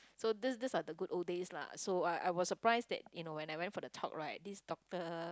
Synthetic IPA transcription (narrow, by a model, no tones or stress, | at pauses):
sodisdisadəɡutodesla̰soaɪʔa̰jwɔsːəpɹaɪsdɛ̰t̚junowɛ̃najwɛ̃ntfɔdətʰɔ̰k̚ɹaɪt̚disdɔk̚tə